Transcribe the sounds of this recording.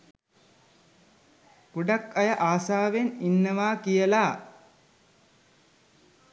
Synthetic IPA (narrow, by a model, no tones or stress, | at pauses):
kuɖakɐjəʔaːsaːʋeninːəʋaːkijəlaː